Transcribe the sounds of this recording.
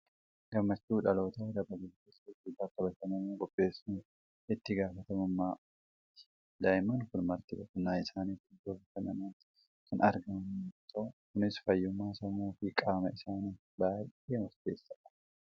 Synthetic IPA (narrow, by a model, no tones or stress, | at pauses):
ɡ̥ɐmːɐt͡ʃːuːᶑɐlo̞ːt̪ɐd̪ɐbɐɡeːkeːsɐd͡ʒʊbɐkːɐbɐt̪ɐnɐmoːkʼɔpʼːe̞ːsʊn | ɪt̪ːɪɡaːfɐt̪ɐmʊmːaːʔ | t̪ːɪ̥ | d̪ɐjmɐnkʊnmɐɾt̪ɪbɐkʊnːaːɪsaːnit̪ːɪd͡ʒoːfɐtɐnɐnaːnt̪ | kɐnɐɾɡɐmɐnːt̪ʰokʊnɪsfɐjːʊmːaːsɐmoːfɪkʼaːmɐɪsaːni | baːje̞ːmɐɾd̪eːsːɐʔɐ̥